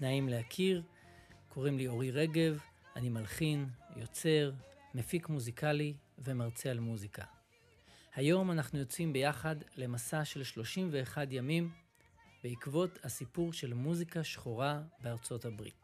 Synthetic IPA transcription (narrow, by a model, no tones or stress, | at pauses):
naimleakʰiʁ | kʰo̞ʁimlio̞ʁiʁe̞ɡe̞vanimalχinjo̞t͡se̞ʁmefikmuzikalive̞maʁt͡sealmuzikʰa̰ | hajo̞manaχnujo̞t͡simbe̞jaχadle̞masaʃe̞lʃlo̞ʃimve̞ːχadjamim | be̞ikvo̞thasipuʁʃe̞lmuzikaʃχoʁabeaʁt͡so̞thabʁḭt